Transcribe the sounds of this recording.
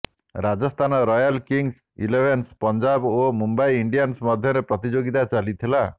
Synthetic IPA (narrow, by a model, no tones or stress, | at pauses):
ɾad͡ʒɔst̪ʰanɔɾɔjalkiŋs | ḭlebʱenspɔnd͡ʒabomumbajiɳɖijansmɔd̪ʱjɔɾepɾɔt̪id͡ʒoɡit̪at͡ʃalit̪ʰila